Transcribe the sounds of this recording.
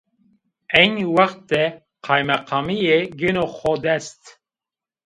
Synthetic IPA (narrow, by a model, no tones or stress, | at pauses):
ɛjniwɑxt̪̚d̪ɛ | qʰɑːjmɛqʰɑːmijeɡenoxɔd̪ɛst̪